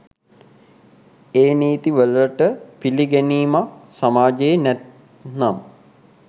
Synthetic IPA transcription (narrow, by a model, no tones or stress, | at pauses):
eːniːt̪iʋələʈəpiliɡæniːmasamaːd͡ʒejenɛt̪ | nam